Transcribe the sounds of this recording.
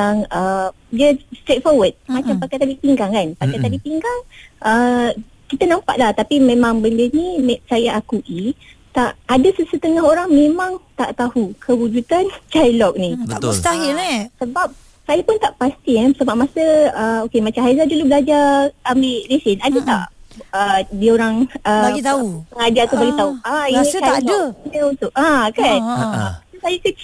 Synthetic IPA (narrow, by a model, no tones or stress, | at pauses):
aŋəmd͡ʒəst̪ɾet̪̚fɔwəd̚mãt͡ʃampakajt̪adipiŋɡaŋkanpakajt̪adipiŋɡaŋʔə | kit̪anãmpa̰ʔlaht̪apimẽmãŋbəndənimesajaʔakuʔi | t̪aʔadasəsət̪əŋaɦoɾaŋmẽmãŋt̪a̰ʔt̪ahukʰəwud͡ʒut̪ant͡ʃajlɔk̚niəaəst̪aɦilisəbap̚ | sajapʊnt̪aʔpast̪iɛsəbap̚masəəokemat͡ʃamɦajzadulubəlad͡ʒaamilesɪnadat̪a̰ʔədioɾaŋəbait̪aupəŋad͡ʒat̪ubaɡit̪auainiaaldəinəunt̪ʊʔãkanaaasajakət͡ʃi